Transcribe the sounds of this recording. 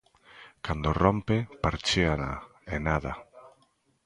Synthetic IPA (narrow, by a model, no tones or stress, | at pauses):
kand̪orompepaɾt͡ʃeana | enaða